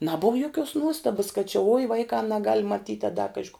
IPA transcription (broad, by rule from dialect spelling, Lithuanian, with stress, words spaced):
ˈnɑːbʊw joːˈkʲuɔs ˈnuɔstɐbɐs kɐt t͡ʃʲɪ ʊɪ ˈʋɐɪkɑː nɐˈɡɐlʲ mɐˈtʲiːtʲ ɐ dɐ ˈkɑːʒʲɪ koː